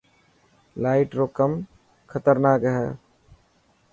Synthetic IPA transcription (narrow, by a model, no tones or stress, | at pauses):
laːɪʈɾoːkəm | kʰət̪əɾnaːkɦɛ